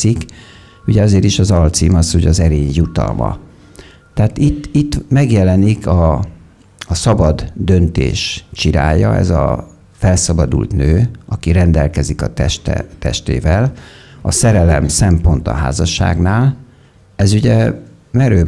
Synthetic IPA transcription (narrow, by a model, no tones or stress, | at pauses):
ik | uɟɛɒzeːɾiʃɒzɒlt̪simɒshoɟɒzɛɾeːɲjut̪ɒ̰lmɒ̰ | t̪ɛaːt̪it̪ːit̪ːmɛɡjɛlɛnikɒː | sɒbɒd̪ːø̞nt̪ḛːʃt͡ʃiɾa̰ːjɒɛ̰zɒ̰ | fɛlsɒbɒd̪ṵlt̪nøːʔɒkiɾɛnd̪ɛlkɛzikɒt̪ɛʃt̪ɛ̰t̪ɛ̰ʃt̪ḛːvɛlɒsɛɾɛlɛmsɛmpo̞nt̪ɒ̰ɦa̰ːzɒʃːa̰ːɡnaːl | ɛzuɟɛ | mɛɾøː